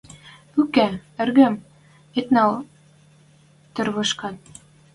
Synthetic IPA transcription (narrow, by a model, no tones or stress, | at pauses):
ʉkæɘ̆rɣɘ̆m | et̪nɑl | t̪ɘ̆rβɤ̆ʃkɑn